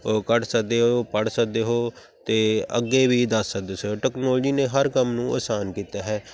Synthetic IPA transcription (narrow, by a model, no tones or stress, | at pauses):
kəʈsək̚d̪eːɦoːpəɽsək̚d̪eːɦoː | t̪eːə̰ɡːeːʋiːd̪əsːək̚d̪eːsəʈɛːknɔːld͡ʒiːneːɦəɾkəmnũːʔə̰ːsaːnkiːt̪aːɦɛː